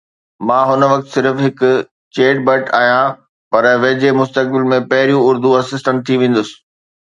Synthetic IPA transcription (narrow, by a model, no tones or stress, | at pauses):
mãːɦʊnʋɐk̚t̪sɪɾfɦɪkʊ̆ | t͡ɕeːɖ̚bɐʈaːɦijã | pɐɾʋɐɦd͡ʑemʊst̪ək̚bɪlmẽpɐɦɪɾijũʊɾd̪uɐsɪsʈə̃ɳʈ̚t̪ʰiʋẽːn̆d̪ʊsɪ̥̆